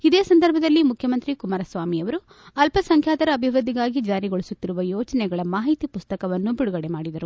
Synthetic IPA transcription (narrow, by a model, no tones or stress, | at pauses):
id̪e̞ːsɐnd̪ɐɾbʱɐd̪ɐlːimukʰjɐmɐnt̪ɾikumaːɾɐsʋaːmiɐʋɐɾu | ɐlpɐsɐŋkʰjaːt̪ɐɾɐːbʱiʋɾud̪ʱːiɡaːɡid͡ʒaːɾiɡoɭisut̪ːiɾuʋɐjɔːt͡ʃɐnɛɡɐɭɐmaːɦit̪ipust̪ɐkɐʋɐnːubiɽuɡɐɽemaːɽid̪ɐɾu